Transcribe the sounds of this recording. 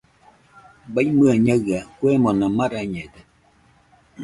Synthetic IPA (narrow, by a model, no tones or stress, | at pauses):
baimɨaɲaɣakwemonãmãɾaɲed̪e